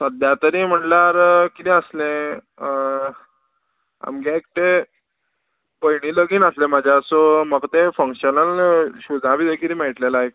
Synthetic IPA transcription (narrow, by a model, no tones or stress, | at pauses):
səd̪jat̪əɾĩːm̤əɳlaɾkit̪ẽəslẽ | a̰mɡeek̚ʈ̪e | pəjɽ̃iləɡiːnəslẽmad͡ʑʱjasoməɡt̪ẽfəŋkɕənəlɕud͡zãbʱiːd̪ekit̪ẽmeiʈlelaɦek